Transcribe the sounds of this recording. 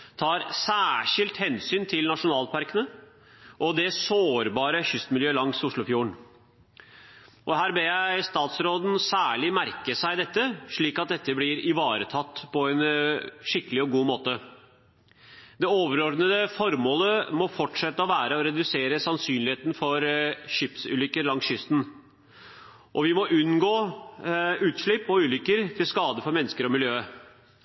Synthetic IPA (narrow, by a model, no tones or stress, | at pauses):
t̪ʰɑːɾsæːʂɪlt̪hɛnsyːnt̪ʰɪlnɑʂʊnɑːlpʰɑɾkənə | ʔɔd̪ɛsoːɾbɑːɾəçʏst̪mɪljøːlɑŋsʊʂɭʊfjuːəɳ | ʔɔhæːɾbeːjæɪst̪ɑːt̪sɾoːd̪n̩sæːɭɪmæɾkəsæɪd̪ɛt̪ːəʂɭiːkɑt̪̚d̪ɛt̪ʰːəblɪɾɪʋɑːɾət̪ʰɑt̪ːpʰɔɛnʂɪkːəlɪɔɡuːmoːt̪ə | d̪ɛoːʋəɾɔɾd̪nəd̪əfɔɾmoːləmɔfɔʈʂɛt̪ːəɔʋæːɾəɔɾɛd̪ʉseːɾəsɑnsyːnlɪheːt̪n̩fɔɾɕɪpsʉ̰ːlʏkːəɾlɑŋsɕʏst̪n̩ | ʔɔʋɪmɔʔʉnːɡoː | ʉːt̪ʂɭɪpːɔʉːlʏkːəɾt̪ʰɪlskɑːd̪əfɔɾmɛnːəskəɾɔmɪljøːə